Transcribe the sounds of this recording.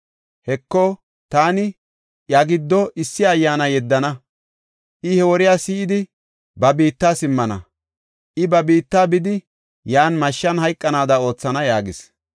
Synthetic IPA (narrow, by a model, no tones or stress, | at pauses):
hɛkːɔ | t̪aːnɪ | jaɡɪd̪ːɔʔɪsːɪɐjːaːnɐjɛd̪ːɐnɐ | ʔɪhɛwɔɾɪjaːsiːɪd̪ɪ | bɐbiːt̪ːaːsɪmːɐnɐ̰ | ʔɪbɐbiːt̪ːaːbɪd̪ɪ | jaːnmɐʃːɐnhɐjkʼːɐnaːd̪ɐo̞ːt͡sːɐnɐjaːɡɪs